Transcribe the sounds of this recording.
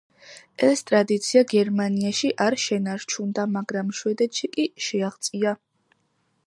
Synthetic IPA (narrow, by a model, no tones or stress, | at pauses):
ɛst̪ʼɾad̪it̪sʰiaɡɛɾmaniaʃiʔaɾʃɛnaɾt͡ʃʰund̪amaɡɾamʃwɛd̪ɛt̪ʃikʼiʃɛaʁt̪sʼia